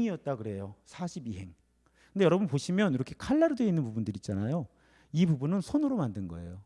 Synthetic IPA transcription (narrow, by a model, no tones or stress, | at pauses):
ŋiʌt̚t͈akɯɾe̞josʰaɕʰibiɦe̞ŋ | k | kʰɯndejʌɾʌbunpoɕʰimjʌniɾʌkʰe̞kʰaɭːaɾɯdwe̞inːɯnpubundɯɾit͡ɕ͈anajo | ipubunɯnsʰonɯɾomandɯnɡʌ̰e̞̰jo